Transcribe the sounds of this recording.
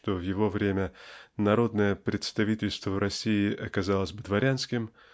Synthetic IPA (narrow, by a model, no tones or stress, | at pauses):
t̪ovjɪvo̞vɾʲemʲənɐɾo̞d̪nəjəpɾʲɪt̪st̪ɐvʲitʲɪlʲst̪vəvɾɐsʲːiɪʔɐkɐzalˠəzʲbɨd̪vɐɾʲanskʲɪm